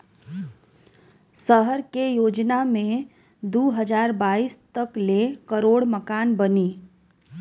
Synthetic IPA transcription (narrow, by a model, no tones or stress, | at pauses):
səɦəɾkejoːd͡ʒnamẽ | d̪uːɦəd͡ʒaːɾbaːiːst̪əklekəɾoːɽməkaːnbəniː